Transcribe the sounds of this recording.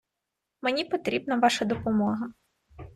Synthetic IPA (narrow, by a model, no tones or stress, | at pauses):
menʲipɔt̪ɾʲibnɐʋɑʃɐd̪ɔpɔmɔɦɐ